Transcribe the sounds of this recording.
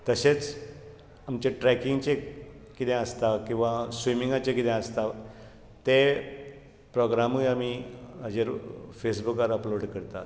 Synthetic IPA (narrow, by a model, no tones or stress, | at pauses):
t̪əɕet͡s | amt͡ɕeʈɾɛkiŋɡt͡ɕe | kit̪ẽəst̪akĩw̃ʋasʋimiŋɡat͡ɕekit̪ɛ̃əst̪a | t̪e | pɾɔɡɾamuamiɦəd͡ʑeɾfesbukaɾəploɖkəɾt̪a̰